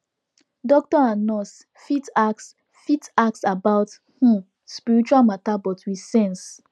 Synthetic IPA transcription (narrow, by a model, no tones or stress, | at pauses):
dɔk̚tɔãnɔs | fitaks | fitaksabaʊt | h̩ | spiɹit͡ʃualmatabɔtʰwisɛ̃ns